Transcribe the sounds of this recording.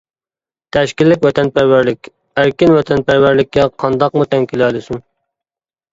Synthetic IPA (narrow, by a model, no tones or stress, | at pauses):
t̪ʰɛʃkʲilːɪk̬ʲwɛt̪ʰɛnpæɾwæɾlɪkʲ | æɾkʲɪnwɛt̪ʰɛnpæɾwæɾlɪk̚ʲːɛqʰɑnd̪ɑqmut̪ʰɛŋkʲʰilɛlˠɪsuŋ